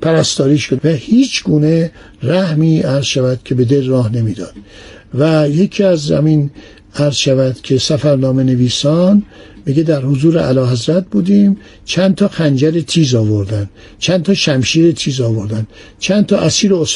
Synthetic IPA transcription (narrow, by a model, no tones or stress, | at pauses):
pʰæɾæst̪ɒːɾiːʃkovæhiːt͡ʃʰɡ̥uːne̞ | ɾæhmiːæɾzʃævæd̪̥kʲʰe̞be̞d̪elrɒːhne̞miːd̪ɒ̰ːd̪̥ | væjekʰiːæzzæ̰miːn | æɾz̥ʃævæd̪̥kʰe̞sæfæɾnɒːmene̞viːsɒːnmiɡed̪æɾhozuːɾḛʔælɒːɦæzɾæt̪̚buːd̪iːm | t͡ʃʰænt̪ʰɒːxænd͡ʒæɾet̪ʰiːzɒːvoɾd̪ænd̪̥ | t͡ʃʰænt̪ʰɒːʃæmʃiːɾet̪ʰiːzɒːvoɾd̪ænd̪̥ | t͡ʃʰænt̪ʰɒːʔæsiːɾoos